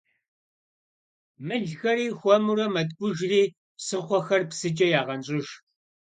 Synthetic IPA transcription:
mɨɮxɐɾiːxʷɔmuɾɐmɐtʼɡʷʊʒriː | psɨχʷɔxɐrpsɨt͡ʃʼɐjaːʁɐnɕʼɪʒ

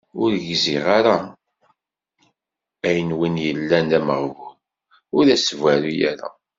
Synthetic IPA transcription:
ʊɾʝziʁaɾa | æjənwinjəlːænæməʁv | ʊɾæsvæɾujæ̰ɾæ̰

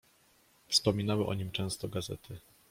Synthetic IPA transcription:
fspɔmʲinawɘʔɔ̰ɲimt͡ʂɛ̃w̃st̪ɔɡazɛ̰t̪ʰɘ

